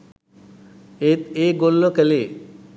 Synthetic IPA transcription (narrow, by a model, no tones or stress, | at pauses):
et̪eɡolːokɛle